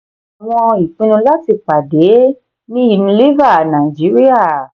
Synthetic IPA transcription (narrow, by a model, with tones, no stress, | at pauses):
a˨w̃ɔ̃˧i˨fĩ˦nũ˧la˦ti˧˨k͡pa˨de˨˦ | nĩ˦i˦˨nũ˧li˦va˦˨nã˨i˨d͡ʒi˨˦ɾi˦a˦˨